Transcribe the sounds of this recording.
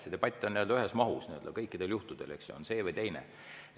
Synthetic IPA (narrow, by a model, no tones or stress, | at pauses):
sit̪eb̥ɑt̪ʲːˑoniøld̪ɑyɦesmɑɦusniøld̪̥ɑ̰kɤjkːid̪̥e̞ljuht̪ud̪̥e̞lḛkso̰nse̞ːvɤjt̪ejnḛ